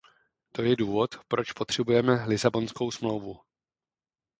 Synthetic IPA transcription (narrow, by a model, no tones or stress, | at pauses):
t̪o̞jɛduːvo̞t̪pɾo̞t͡ʃpo̞t̪r̝̥ɛbujɛmɛlɪzabo̞nsko̞wsmlo̞wvu